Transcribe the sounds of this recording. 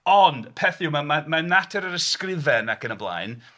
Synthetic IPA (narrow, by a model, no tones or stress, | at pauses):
ɔnd̥pʰɛθjumamamanatʰɛɾəɾəskrɪvɛnakʰənəblˠa̰jn